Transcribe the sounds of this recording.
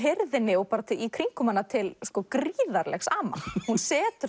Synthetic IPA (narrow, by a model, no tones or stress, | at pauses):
ɦɪɾðɪnːɪɔpaːɾat̪ʰɪikʰɾiŋkʏmanːat̪ʰɪlskɔkɾiːðaɾlɛ̰xsaːma̰hunsɛːt̪ʏ